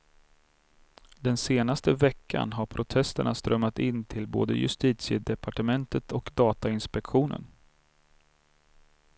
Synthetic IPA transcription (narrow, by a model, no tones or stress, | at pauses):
d̪ɛnseːnast̪əvɛkʰːa̰nɦaɾpʰɾʊt̪ʰɛst̪əɳast̪ɾʔœmːat̪ɪnːt̪ʰɪlbo̰ːd̪ə̰jɵ̰st̪iːt̪sɪəd̪ɛpaʈəmɛnt̪ət̪ʰɔkd̪ɑːt̪aɪnspɛkɧuːnə̰n